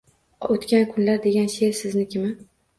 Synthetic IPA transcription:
ot̪kʲankʰʊnlaɾd̪e̞ɡʲanʃe̞ɾsɪznɪkʲʰɪma

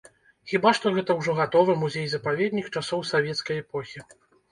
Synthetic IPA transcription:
xʲibaʂt̪ɔɣɛt̪ɐwʐɔɣat̪ɔvɨmuzʲejzɐpavʲɛd̪ʲnʲixt͡ʂasɔwsavʲɛt̪skɐjɛpɔxʲi

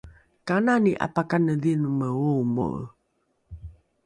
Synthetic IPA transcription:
kananiʔa̰pakanədinuməumo̰

